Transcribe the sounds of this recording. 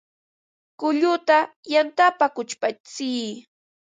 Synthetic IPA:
kʊʎʊt̪a | jant̪apakʊt͡ʃpat͡siː

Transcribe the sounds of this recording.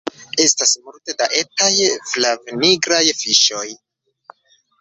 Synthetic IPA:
e̞stasmulte̞daʔe̞tajflavniɡɾajfiʃo̞j

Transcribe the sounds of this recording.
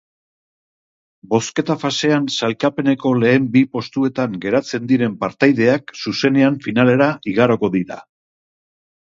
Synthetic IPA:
bo̞ske̞t̪afase̞ansalkape̞ne̞ko̞le̞ːmbipo̞st̪ue̞t̪aŋɡe̞ɾat͡se̞nd̪iɾe̞mpaɾt̪ajðe̞aksuse̞ne̞aɱfinale̞ɾaiɣaɾo̞ko̞ðiɾa̰

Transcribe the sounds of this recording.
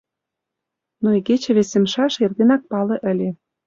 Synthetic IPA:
noiket͡ɕĕβesĕmʃɑʃerɣenɑk̚pɑlĕʔə̆lʲe

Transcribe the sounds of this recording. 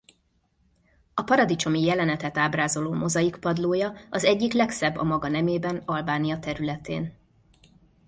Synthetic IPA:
ɒpɒɾɒd̪it͡ʃo̞mijɛlɛnɛt̪ɛt̪aːbraːzo̞loːmo̞zɒjikpɒd̪loːjɒɒzɛɟːiklɛksɛbːɒ̰mɒɡɒnɛmeːbɛnɒlbaːnijɒt̪ɛɾylɛt̪eːn

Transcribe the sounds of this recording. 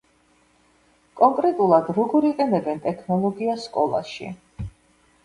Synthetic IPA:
kʼɔŋkʼɾɛt̪ʼulˠad̪ɾɔɡɔɾiqʼɛnɛbɛnt̪ʼɛkʰnɔlˠɔɡiaskʼɔlˠa̰ʃḭ

